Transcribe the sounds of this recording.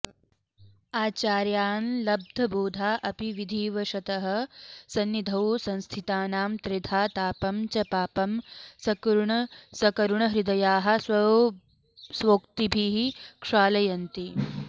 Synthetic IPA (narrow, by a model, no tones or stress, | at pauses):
aːt͡ʃaːɾjaːnlɐb̚d̪ʱɐbuːd̪ʱaːʔɐpiʋid̪ʱiːʋɐʃɐt̪ɐɦɐ̆sɐnːid̪ʱɐwsɐ̃nst̪ʰit̪aːnaːmt̪ɾɪd̪ʱaːt̪aːpɐmt͡ʃɐpaːpɐmsɐkɾuɳɐsɐkɐɾuɳɐɦɾid̪ɐjaːɦɐ̆sʋɐ | sʋoːk̚t̪ibʱiɦikʂaːlɐjɐnt̪i